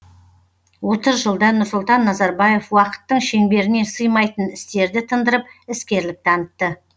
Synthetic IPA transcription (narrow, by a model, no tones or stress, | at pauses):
wo̞t̪əzʒəlˠd̪ɑnʊɾsʊlˠt̪ɑnːɑzɑɾbɑje̞fwɑqə̥t̪ːəɴʃe̞ŋbe̞ɾɪne̞səjmɑjt̪ənɪst̪e̞ɾd̪ɪt̪ʰənd̪əɾəp̚ɪskʲe̞ɾlɪk̚t̪ʰɑnət̪ːə